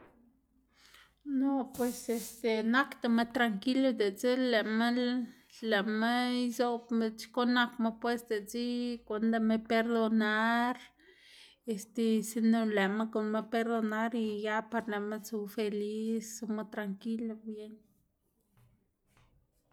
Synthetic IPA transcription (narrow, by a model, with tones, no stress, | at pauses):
no˦pwe˧se˧st̪e˨na˦kt̪a˧ma˧t̪ɾa˧ŋki˦la˧d̪e˨t͡si˦le˨ma˦l | le˨ma˦izo˧pme˧t͡ʃko˦na˧kma˧pwe˦sd̪e˨t͡si˦kʷa˧nd̪a˧me˧pe˧ɾd̪o˧na˦ɾ | e˧st̪e˧si˧no˧le˨ma˦ko˨nme˧pe˧ɾd̪o˧na˦ɾi˧ja˦pa˧ɾle˨ma˦t͡su˧fe˧li˦so˧ma˧t̪ɾaŋki˦la˧bje˦n